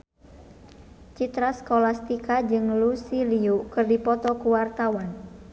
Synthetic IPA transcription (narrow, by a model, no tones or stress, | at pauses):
t͡ʃit̪ɾaskolast̪ikad͡ʒɨŋlusiliukɨrdipɔt̪ɔkuwart̪awan